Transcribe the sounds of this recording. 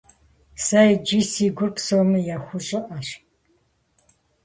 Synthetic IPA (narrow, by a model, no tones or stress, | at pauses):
sɐjd͡ʒisiːɡʷʊrpsowmɨjaxʷʊɕʼɪʔɐɕ